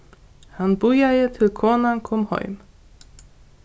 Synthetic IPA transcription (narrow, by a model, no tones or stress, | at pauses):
hanbujajət̪ʰɪlkʰoːnankʰɔmhɔ̰ʏm